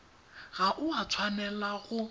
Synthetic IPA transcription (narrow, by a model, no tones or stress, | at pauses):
ɣaʔʊat͡sʰwanɛlaɣʊ